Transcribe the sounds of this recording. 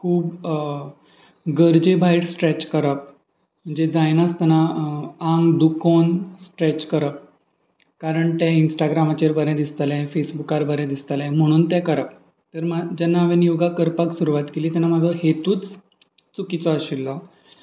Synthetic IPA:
kʰuːb | ɡəɾd͡ʑebʱajʈsʈɾɛt͡ɕkəɾəp̚ | m̤əɳd͡zed͡zajnast̪ɛnaaŋɡd̪ukonsʈɾɛt͡ɕkəɾəp̚ | kaɾəɳt̪ɛ̃insʈaɡɾamat͡ɕeɾbəɾɛ̃d̪ist̪əlɛ̃fesbukaɾbəɾɛ̃d̪ist̪əlɛ̃m̤əɽ̃uːnt̪ɛ̃kəɾəp̚ | t̪əɾmad͡ʑɛnːaʋenjuɡakəɾpaksuɾuʋat̪keliːt̪ɛnːamad͡zʱɔɦet̪uːt͡s | t͡sukit͡sɔəɕilːɔ

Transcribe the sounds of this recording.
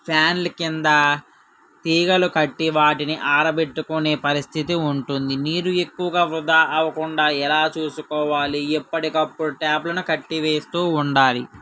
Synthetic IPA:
pʰjaːnlkind̪ɐ | t̪iːɡɐlukɐʈːiʋaːʈiniʔaːɾɐbe̞ʈːukune̞ːpɐɾist̪ʰit̪iuɳʈund̪iniːɾue̞kːuʋɐɡaːʋɾud̪aːʔɐʋɐkuɳɖaːɛlaːt͡ʃuːsukɔːʋaːliːpːɐʈikɐpːuɽuʈaːblɐnukɐʈːiʋe̞ːst̪uːuɳɖaːli

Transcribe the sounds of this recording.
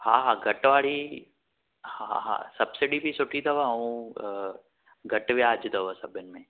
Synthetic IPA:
hãːɦãːɡʱɐʈʋaːɭi | haã̰ɦã̰ːsɐbsɪɽibʱisʊʈʰid̪ʰɐʋaɦɐũ | ɡʱɐʈʋeaːd͡ʒd̪ɐʋasɐbʱɪnmẽː

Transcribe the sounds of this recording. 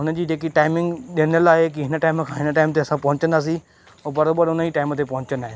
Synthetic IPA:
ɦʊnəd͡ʒiːd͡ʒeːk̬iʈaːɪmɪ̃ŋɡɗeːnəlaːek̬ɪɦɪnəʈaːɪmkʰãːɦɪnəʈaːɪmt̪̬eːɐsãːpɐɦʊ̃ɲt͡ʃənd̪aːs̬iː | oːbəɾoːbəɾʊnaiːʈaːɪmt̪̬eːpɐɦʊ̃ɲt͡ʃənd̪aːɦeː

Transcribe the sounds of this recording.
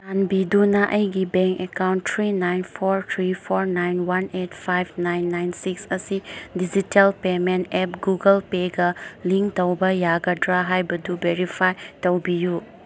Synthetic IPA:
tanbidunaʔɐjɡibeŋkekawnttʰɾinajnpʰoɾt̪ʰɾipʰoɾnajnwanet̚pʰajbnajnːajnsiksɐsidid͡ʒitelpementep̚ɡuɡɐlpeɡɐliŋktɐwbɐjaɡɐdɾaɦajbɐdubeɾipʰajtɐwbiju

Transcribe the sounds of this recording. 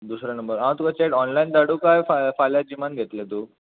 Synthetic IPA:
d̪usɾanəmbəɾɦãw̃t̪ukat͡ɕeʈɔnlaind̪aɽukajfafaljad͡ʑimanɡʱet̪lẽt̪u

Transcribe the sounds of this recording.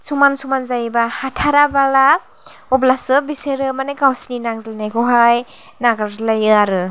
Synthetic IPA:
sumansumanzajbahatʰaɾabala | ɔblasɯbiseɾɯmanɯkawsninaŋzilnajkʰɔɦaj | naɡalajɯaɾɯ

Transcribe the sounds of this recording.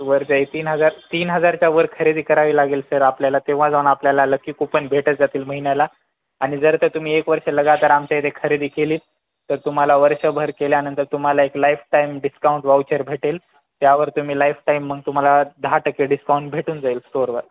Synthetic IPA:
ʋəɾd͡ʑaet̪iːnɦəd͡zaɾt̪iːnɦəd͡zaɾt͡ɕjaʋəɾkʰəɾed̪iːkəɾaʋiːlaɡeːlsəɾapljalat̪eʋ̤ãd͡zaunapljalaləkːiːkupənbʱeʈəd͡zat̪iːlməɦiɳjala | aɽ̃id͡zəɾt̪ət̪um̤iːekʋəɾʂeləɡat̪əɾamt͡ɕajit̪ʰekʰəɾed̪iːkeliː | t̪əɾt̪um̤alaʋəɾʂəbʱəɾkeljanənt̪əɾt̪um̤alaeklajfʈaimɖiskauɳʈʋawt͡ɕəɾbʱeʈel | t̪jaʋəɾt̪um̤iːlajfʈaimːəɡ̚t̪um̤alad̪ʱaʈəkːeɖiskauɳʈ̚bʱeʈuːnd͡zailsʈoɾʋəɾ

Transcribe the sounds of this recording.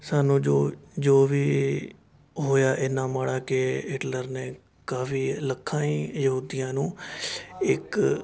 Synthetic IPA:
saːnũːd͡ʒoːd͡ʒoːʋiː | ɦoːjaːʔɪnãːmaːɽaːkeɪʈləɾneː | kaːfiːləkʰːãːiːjəɦuːd̪ɪjãːnũː | ɪk

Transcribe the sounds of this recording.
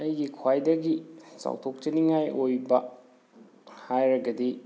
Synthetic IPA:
ɐjɡikʰwajdɐɡisa̰wtʰok̚t͡ʃɐniŋajojbɐ | hajɾɐɡɐdi

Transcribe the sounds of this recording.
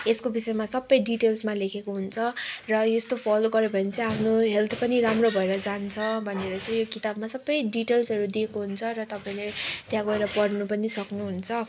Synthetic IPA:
eskobisʌemasʌbːʌjɖiʈelsmalekʰekoɦunt͡sʰʌrʌjost̪opʰaloɡʌɾebʱʌnit͡sʌ̃apʰnoɦelt̪ʰpʌniɾamrobʱʌeɾʌd͡zant͡sʰʌbʱʌneɾʌt͡sʌ̃j̃jokit̪abmasʌbːʌjɖiʈelsɦʌɾud̪iekoɦunt͡sʰʌɾʌt̪ʌpãĩlet̪jãɡʌeɾʌpʌrnupʌnisʌknuɦunt͡sʰʌ

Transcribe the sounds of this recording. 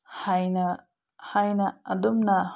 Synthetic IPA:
hajnɐ | hajnɐɐdumnɐ

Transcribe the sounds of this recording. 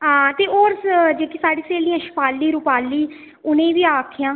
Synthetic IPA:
ɦãːt̪eːʔoːɾsd͡ʒeːkiːsaːɽiːseːlijãːʃpaːlːiːɾʊpaːlːiː | ʊnẽːʋiːaːkʰɪjãː

